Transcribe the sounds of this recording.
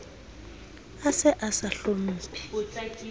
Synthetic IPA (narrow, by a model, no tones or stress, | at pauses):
asɛʔasaɬomuːpʰɛ̥